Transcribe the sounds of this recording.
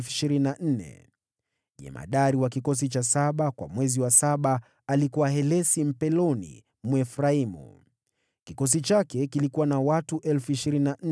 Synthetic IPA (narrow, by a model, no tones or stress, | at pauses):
fiʃiɾininan̩nɛ̰ | ʄɛ̰ma̰ɗaɾiwakikɔs̬it͡ʃasaɓakwa̰mwɛziwasaɓaː | likuwaɦɛlɛsim̩pɛlɔnḭ | mwɛfɾaimṵ | kikɔs̬it͡ʃakɛkilikuwanawatuʔɛlfuiʃiɾinina